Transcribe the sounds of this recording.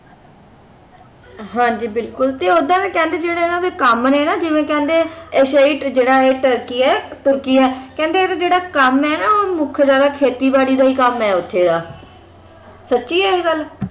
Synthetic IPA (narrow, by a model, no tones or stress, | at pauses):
ɦãːd͡ʒiːbɪlkʊlt̪eːoːd̪ãːʋɛ̃ːkɛ̃ːnd̪eːd͡ʒeːɽaːenãːd̪eːkəmnɛːnaːd͡ʒɪʋẽːkɛ̃ːnd̪eːɛʃaːiːʈd͡ʒeːɽaːeːʈəɾkiːɛːt̪ʊɾkiːɛːkɛ̃ːnd̪eːt̪eːd͡ʒeːɽaːkəmɛːnaːoːmʊkʰd͡ʒaːd̪aːkʰeːt̪iːbaːɽiːd̪aːiːkəmɛːʊt̪ʰːeːd̪aː | sətːʃiːɛːɡəl